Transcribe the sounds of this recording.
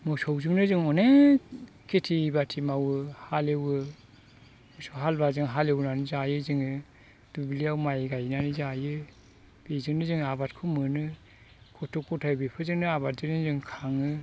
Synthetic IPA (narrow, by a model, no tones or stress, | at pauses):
mɔsɔwzɯŋnɯzɯŋɔne | kʰetʰibatʰimawɯhalewɯ | mɔsɔwɦalbazɯŋɦalewnanizajɯzɯŋɯ | d̥ubliawmajɡajnanizajɯ | b̥ezɯŋnɯzɯŋabat̚kʰɯmɯnɯ | kʰɔtʰɔkːɔtʰabepʰɯzɯŋnɯaβat̚zɯknɯzɯŋkʰaŋɯ